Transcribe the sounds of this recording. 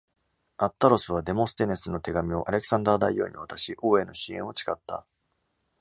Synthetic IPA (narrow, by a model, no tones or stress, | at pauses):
at̪ːaɾo̞sɨβ̞ad̪e̞mõ̞sɨ̥t̪e̞ne̞sɨno̞t̪e̞ɡamʲio̞ʔaɾe̞kɯ̥sãnd̪aːd̪aijo̞̰ːɲ̟iβat̪aɕiʔo̞ːe̞no̞ɕiẽ̞o̞t͡ɕi̥kat̪ːa̰